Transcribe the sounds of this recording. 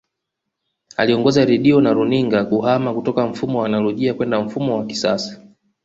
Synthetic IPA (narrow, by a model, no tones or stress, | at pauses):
aliɔŋɡɔzaɾɛɗiɔnaɾuniŋɡakuhamakutɔkam̩fumɔwanalɔʄiakwɛndaɱ̩fumɔwaki̥sa̰sḁ